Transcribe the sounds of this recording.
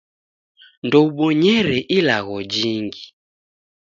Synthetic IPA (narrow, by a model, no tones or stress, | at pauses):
ndɔuɓɔɲɛɾɛʔilaɣɔd͡ʒiŋɡi